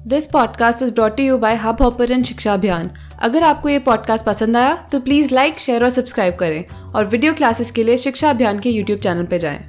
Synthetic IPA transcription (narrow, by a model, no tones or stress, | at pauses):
d̪ɪspɔːɖkaːsʈɪzbɾɔːʈːujuːbaːɪɦabʱɔːpəɾə̃nʃɪkʃaɐbʱjaːn | ɐ̰ɡəɾaːp̚kojepɔːɖ̚kaːsʈ̚pɐsə̃nd̪aːjat̪opliːzlaɪkʃeːɾɔːɾsɐbskɾaːɪb̚kɐɾẽː | ɔːɾʋɪɖijoklaːsɪskelieʃɪkʃaɐbʱjaːnkejuːʈjuːb̚t͡ʃɛːnəlped͡ʒa̰ːḛ̃ː